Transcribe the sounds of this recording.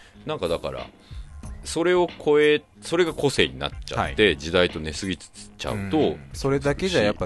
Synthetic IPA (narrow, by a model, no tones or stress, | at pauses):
nãŋkad̪aka̰ɾa̰ | so̞ɾe̞o̞kʰo̞e̞ | so̞ɾe̞ɡako̞se̞̰ːɲ̟ina̰tt͡ɕa̰at̪ːe̞d͡ʑid̪ait̪o̞ne̞sɨɡʲit͡sɨ̥t͡sɨ̥t͡ɕa̰ɯ̟t̪o̞soɾe̞d̪ake̞d͡ʑajapːa